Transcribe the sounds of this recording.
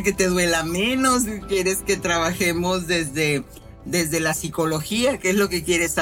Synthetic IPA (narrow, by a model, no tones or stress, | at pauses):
ke̞t̪e̞ðwe̞lamẽ̞no̞s̬kje̞ɾe̞ske̞t̪ɾaβaxe̞mo̞zðe̞zðe̞ | ðe̞zðe̞lasiko̞lo̞xiakeezlo̞ke̞kje̞ɾe̞sa